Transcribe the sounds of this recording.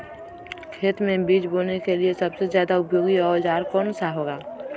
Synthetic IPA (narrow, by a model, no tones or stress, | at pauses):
kʰeːt̪mẽbiːd͡ʒboːnekeliesɐbsezjaːd̪aʊpjoːɡiɔːɾd͡ʒaːɾkɔːnsaɦoːɡaː